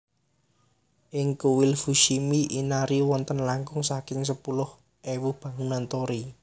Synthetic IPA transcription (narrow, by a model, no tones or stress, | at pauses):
ʔɪŋkuwɪlfuʃimiʔinaɾiwɔnt̪ənlaŋkʊŋsakɪŋsəpulʊh | ʔewuhb̥a̤ŋunant̪oɾi